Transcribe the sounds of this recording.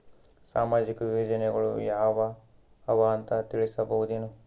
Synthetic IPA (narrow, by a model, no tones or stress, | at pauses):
saːmaːd͡ʒikɐʋiʋɐd͡ʒɐnɛɡɐɭṵjaːʋɐː | ʋɐːnt̪ɐt̪iɭisɐbɐɦud̪enu